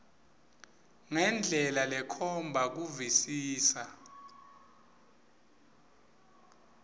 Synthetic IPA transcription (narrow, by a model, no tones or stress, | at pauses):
ŋɛnd͡ɮʱɛlalɛkʰɔmbʱak̬uvisiːsa